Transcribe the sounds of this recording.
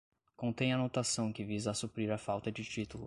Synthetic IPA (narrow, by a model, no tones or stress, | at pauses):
kõnt̪ẽj̃ɐnot̪asɐ̃w̃kɪvizasupɾiɾɐfawt̪ɐd͡ʒɪt͡ʃit̪ulʊ